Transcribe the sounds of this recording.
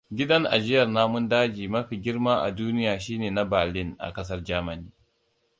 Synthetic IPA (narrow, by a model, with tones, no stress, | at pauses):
ɡʲɪ˦dɐ˦ŋʔa̰˨d͡ʒɪ˦jɐ˨rnaː˦mʊ˦ndaː˦d͡ʒiː˨mɐ˦ɸi˨ɡʲɪ˦rmaː˦ʔa̰˨duː˦nɪ˦jaː˨ʃiː˦neː˨na˦bɐ˨lɪ˦ŋʔa̰˨kɐ˦s̬ɐ˦rd͡ʒaː˦mɐ˨niː˦